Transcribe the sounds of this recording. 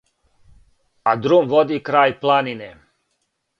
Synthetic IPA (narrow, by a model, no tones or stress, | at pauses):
ad̪ɾomʋod̪ikɾaːjplˠanine